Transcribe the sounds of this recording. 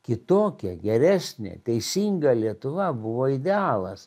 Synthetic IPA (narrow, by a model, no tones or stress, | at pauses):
kʲɪt̪oːkʲɛɡʲɛɾʲæːsʲnʲḛt̪ʲɛɪsʲiːŋɡɐlʲiɛt̪ʊʋɐbʊʋoːɪd̪ʲɛɑːlˠɐs